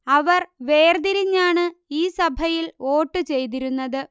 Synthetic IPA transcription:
ɐʋɐrʋeːrd̪iɾiɲːaːɳɨiːsɐbʱɐjilo̞ːʈːɨt͡ɕe̞jt̪̬iɾunːɐðɨ

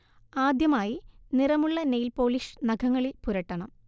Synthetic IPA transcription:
aːd̪jɐmaːjinirɐmuɭːɐnejlpo̞ːliʂnɐɡʱɐŋːɐɭilpuɾɐʈːɐɳɐm

